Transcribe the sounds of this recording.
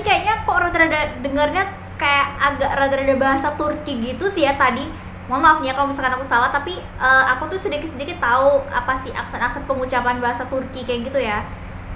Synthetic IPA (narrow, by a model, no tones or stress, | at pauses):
ikajaʔɲakoɾot̪əɾadadəŋərɲa | kajaʔaɡaʔɾaɡəɾadabaɦasat̪urkiɡit̪usijat̪adi | ŋamaukɲakalamisalkanakusalaht̪api | ʔəːakut̪usədikɪt̪sədikɪt̪ːaua̰pasɪha̰ksɛnaksɛn̚pəŋut͡ʃapanbaɦasat̪urkikajaʔɡit̪uja